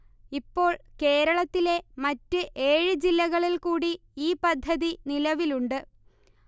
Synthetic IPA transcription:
ipːo̞ːɭke̞ːɾɐɭɐt̪ːile̞mɐtːɨʔe̞ːɻɨd͡ʑilːɐɣɐɭilkuːɽi | iːpɐd̪ʱːɐðinilɐʋiluɳɖɨ

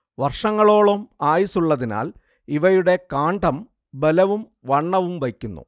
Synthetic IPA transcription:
ʋɐrʂɐŋːɐɭo̞ːɭomaːjisuɭːɐðina̰ːl | iʋɐjuɽe̞kaːɳɖɐm | bɐlɐʋum | ʋɐɳːɐʋumʋɐjkʲːunːṵ

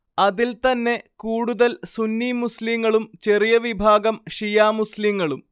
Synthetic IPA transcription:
ɐðilt̪ɐnːe̞kuːɽuðɐlsunːimusliŋːɐɭumt͡ɕe̞rijɐʋibʱaːɡɐmʂijaːmusliŋːɐɭum

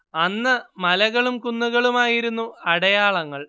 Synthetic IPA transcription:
ɐnːɐmɐlɐɣɐɭumkunːuɣɐɭumaːjiɾunːuɐɽɐjaːɭɐŋːɐɭ

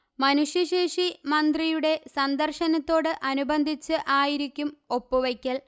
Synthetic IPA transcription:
mɐnuʂjɐɕeːʂimɐnd̪rijuɽe̞sɐnd̪ɐrʂɐnɐt̪ːo̞ːɽɨʔɐnubɐnd̪ʱit͡ɕːɨʔaːjiɾikʲːumo̞pːɨʋɐkʲːɐl

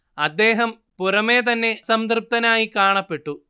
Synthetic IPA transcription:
ɐd̪ːe̞ːɦɐm | purɐme̞ːt̪̬ɐnːe̞sɐmd̪rɨp̚t̪ɐnaːjikaːɳɐpːe̞ʈːu

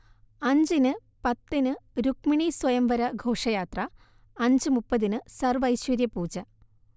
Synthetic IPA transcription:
ɐɲd͡ʑinɨ | pɐt̪ːinɨɾuk̚miɳiswɐjɐmbɐɾɐɡʱo̞ːʂɐjaːt̪rɐ | ɐɲd͡ʑɨmupːɐðinɨsɐrʋɐjɕʋɐɾjɐpuːt͡ɕːɐ

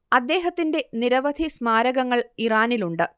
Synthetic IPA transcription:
ɐd̪ːe̞ːɦɐt̪ːinde̞niɾɐʋɐd̪ʱismaːɾɐɣɐŋːɐɭiraːniluɳɖɨ

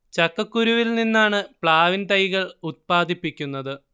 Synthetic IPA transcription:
t͡ɕɐkːɐkːuɾuʋilninːaːɳɨpɭaːʋint̪ɐjɣɐɭut̪̚paːd̪ʱipːikʲːunːɐðɨ

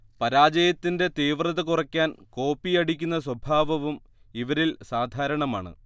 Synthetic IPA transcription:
pɐɾaːd͡ʑɐjɐt̪ːinde̞t̪iːʋrɐðɐkurɐkʲːaːnko̞ːpːiɐɽikʲːunːɐswɐbʱaːʋɐʋum | iʋɐɾilsaːd̪ʱaːɾɐɳɐmaːɳɨ̰

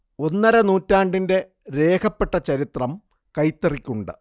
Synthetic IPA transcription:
o̞nːɐɾɐnuːtːaːɳɖinde̞ | ɾe̞ːkʰɐpːe̞ʈːɐt͡ɕɐɾit̪rɐm | kɐjt̪ːɐrikʲːuɳɖɨ̰

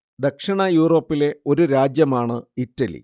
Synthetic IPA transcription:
d̪ekʂiɳɐjuːro̞ːpːile̞o̞ɾuɾaːd͡ʑjɐmaːɳɨitːɐlḭ

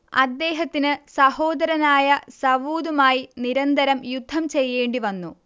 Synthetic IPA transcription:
ɐ̰d̪ːe̞ːɦɐt̪ːinɨsɐho̞ːd̪ɐɾɐnaːjɐsɐʋuːd̪umaːjiniɾɐnd̪ʱɐɾɐmjud̪ʱːɐmt͡ɕe̞jːe̞ːɳɖiʋɐnːu

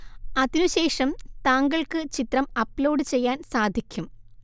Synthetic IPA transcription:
ɐðinuɕe̞ːʂɐmt̪aːŋɡɐɭkɨt͡ɕit̪rɐmɐpːloːɖɨt͡ɕe̞jːaːnsaːd̪ʱikʲːum

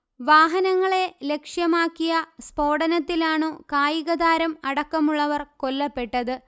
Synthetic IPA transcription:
ʋaːɦɐnɐŋːɐɭe̞le̞kʂjɐmaːkːijɐspo̞ːɽɐnɐt̪ːilaːɳɨkaːjiɣɐðaːɾɐmɐɽɐkːɐmuɭːɐʋɐrko̞lːɐpːe̞ʈːɐðɨ

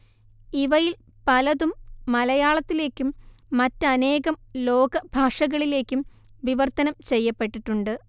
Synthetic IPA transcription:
iʋɐjil | pɐlɐðumːɐlɐjaːɭɐt̪ːile̞ːkʲːumːɐtːɐɐne̞ːɣɐmlo̞ːɡɐbʱaːʂɐɣɐɭile̞ːkʲːumʋiʋɐrt̪ːɐnɐmt͡ɕe̞jːɐpːe̞ʈːiʈːuɳɖɨ

